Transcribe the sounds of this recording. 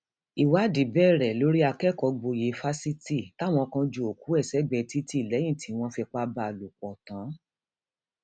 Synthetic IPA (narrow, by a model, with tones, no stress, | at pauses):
i˨wa˨˦di˨˦bɛ˦˨ɾɛ˨lo˨˦ɾi˦a˧kɛ˦˨kɔ˧ɡ͡bo˧je˨˦fa˦si˦ti˦˨ta˦˨w̃ɔ̃˧kã˧d͡ʒo˧o˨ku˨˦ɛ˦˨sɛ˦ɡ͡bɛ˧˨ti˦ti˦i˨lɛ˨˦j̃ĩ˦˨tʰi˨˦w̃ɔ̃˧fɛ˧k͡pa˧ba˧˨lu˨k͡pɔ˨tã˨˦